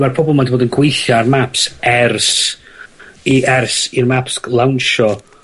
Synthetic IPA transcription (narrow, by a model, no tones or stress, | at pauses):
marpʰɔbɔlˠmadiboːdənɡwejɬarmapsɛrs | iʔɛrsirmapslˠawnʃɔ